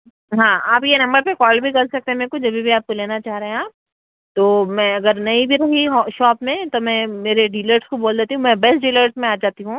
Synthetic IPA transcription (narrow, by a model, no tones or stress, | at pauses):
ɦãːaːpjenɐ̃mbəɾpekɔːlbʱikɐlsɐk̚t̪eɦmekʊd͡ʒɐbʱibʱiaːp̚koleːnat͡ʃaːɦɾeɦẽãːp̚ | t̪oːmɛ̃ɐɡəɾnɐĩbʱiɾɐɦiɦʃɔːpmẽt̪omɛ̃meːɾeɖiːləɾskoboːld̪eːt̪iɦũmɛ̃bɛsʈɖiːləɾsmẽaːd͡ʒaːt̪iɦũː